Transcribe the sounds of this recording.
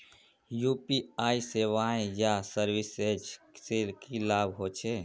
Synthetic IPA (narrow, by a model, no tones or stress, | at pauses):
jupiaːiseʋaẽjasəɾwised͡ʒsekilaːbʱɦot͡ʃʰe